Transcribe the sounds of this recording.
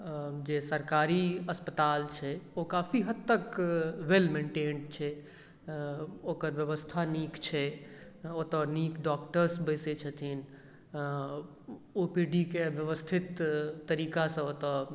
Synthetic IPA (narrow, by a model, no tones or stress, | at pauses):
d͡ʒesəɾkaːɾiəspət̪aːlt͡ʃʰɛokapʰiɦəd̪t̪ːəkʋelmẽɳʈeːɳɖt͡ʃʰɛ | oːkəɾʋjəʋəst̪ʰanikt͡ʃʰɛ | ot̪ənikɖɔkʈəɾsbəɪset͡ʃʰət̪ʰin | opiɖikeʋjəʋəst̪ʰit̪ːəɾikasə̃ot̪ə